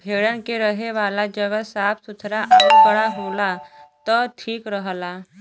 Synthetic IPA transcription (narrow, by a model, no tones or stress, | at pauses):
bʱeɭjankeɾəɦeʋalad͡ʑəɡəsapt̪ut̪ʰɾaʔəəkɽaɦolat̪əʈʰiːkɾəɦla